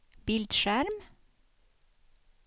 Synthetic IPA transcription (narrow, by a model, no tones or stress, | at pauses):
b̥ɪld̪ʃæɾm